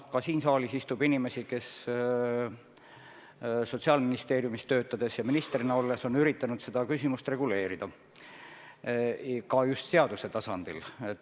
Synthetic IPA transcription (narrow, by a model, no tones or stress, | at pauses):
kɑsiːnsɑːlisist̪ubinime̞sike̞s | so̞t̪siɑlminist̪e̞ːɾjumist̪ø̞ːt̪ːˑɑd̪̥e̞sjɑminist̪rinɑo̞lːe̞so̞nyɾit̪ːˑɑnud̪̥se̞d̪̥ɑkysʲimust̪re̞ɡ̥ule̞ːɾid̪̥ɑ | kɑjust̪se̞ɑd̪use̞t̪ɑsɑnd̪̥ilet̪ː